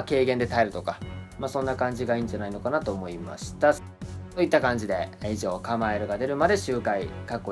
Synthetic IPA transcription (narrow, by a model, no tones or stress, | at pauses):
ke̞ːɡend̪e̞t̪aeɾɯ̟t̪o̞kamasõ̞nːakãɲ̟d͡ʑiɡaĩːɲ̟d͡ʑanaino̞kanat̪o̞ːmo̞ima̰ɕi̥t̪a | so̞it̪ːakãɲ̟d͡ʑid̪e̞iʑo̞ːkamaeɾɯ̟ɡad̪e̞ɾɯ̟mad̪e̞ɕɨːkaikakːo̞